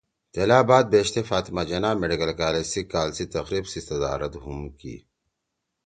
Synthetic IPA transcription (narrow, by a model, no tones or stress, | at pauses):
t̪elaːbaːd̪̚beːɕt̪efaːt̪mad͡ʑɐnaːmeɖikɐlkaːlesikaːlsit̪ɐxɾiːbsisɐd̪a̰ːɾɐt̪ɦumkḭ